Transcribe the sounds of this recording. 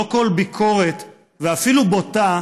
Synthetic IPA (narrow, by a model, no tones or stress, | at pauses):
oko̞lbikʰo̞ʁet̪ | veafilubota